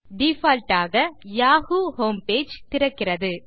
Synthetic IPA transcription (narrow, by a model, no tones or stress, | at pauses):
ɖifaːlʈaːɣɐjaːhuːhoːmpeːd͡ʒt̪ɪɾɐkːɪrɐðɯ